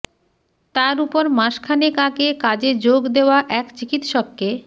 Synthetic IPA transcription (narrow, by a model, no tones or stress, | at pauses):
t̪aɾupoɾmaʃkʰanekakekad͡ʑed͡ʑoɡd̪eoaʔɛkt͡ɕikit̪ʃɔkːe